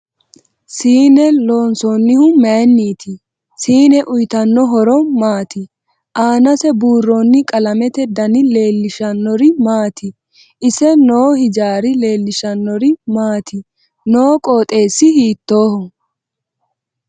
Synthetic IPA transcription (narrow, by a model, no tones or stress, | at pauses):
siːnɛlo̞ːnsɔnːɪhʊmɛnːiːt̪ɪ | siːnɛʔʊjt̪ɐnːɔɦɔɾɔmaːt̪ɪ | ʔaːnɐsɛbuːrːonːɪkʼɐlɐmɛt̪ɛd̪ɐnɪle̞ːlːɪʃɐnːɔɾɪmaːt̪ʰɪ | ʔɪsɛnoːhɪd͡ʒaːɾɪle̞ːlːɪʃɐnːɔɾɪmaːt̪ʰɪ | noːkʼoːt̪ʼe̞ːsːɪhiːt̪ːo̞ːhɔ